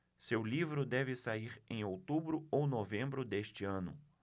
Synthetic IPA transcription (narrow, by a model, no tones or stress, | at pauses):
sewlivɾʊd̪ɛvɪsaiɾẽj̃owt̪ubɾʊownovẽmbɾʊd̪eʃt͡ʃɪɐ̃nʊ̰